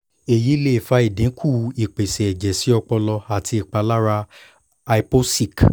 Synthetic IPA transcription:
e˨ji˨˦le˦i˨fa˧˦i˨dẽ˨˦kʰu˦˨i˨k͡pe˨sɛ˨ɛ˨d͡ʒɛ˨si˨˦ɔ˧k͡pɔ˧lɔ˧a˨tʰi˧i˨k͡pa˧la˦ɾa˧ | a˧i˧˦po˦si˦˨k

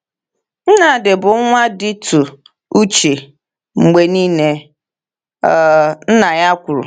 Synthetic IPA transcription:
n̩˦na˨dɪ˨bʊ˨˦ŋʷa˦dɪ˦tu˨ | u˦t͡ʃe˨ | ŋ͡m̩˨ɡ͡be˨niː˦ne˦˨ | n̩˦na˨ja˦kʷʊ˨ɾṵ˨

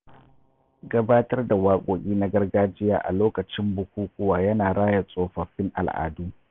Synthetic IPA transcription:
ɡɐ˦baː˦tɐ˦rda˨waː˦kʷʼoː˨kʲʼiː˦na˦ɡɐ˦rɡaː˦d͡ʒɪ˦ja̰ː˨ʔa̰˨loː˦kɐ˨t͡ʃɪ˦mbʊ˦kʷuː˦kʷʼʊ˦waː˨jɐ˦naː˨ɽaː˦jɐ˨sʼoː˦ɸɐ˨ɸɪ˦ŋʔa̰˨lʔa̰ː˨duː˦

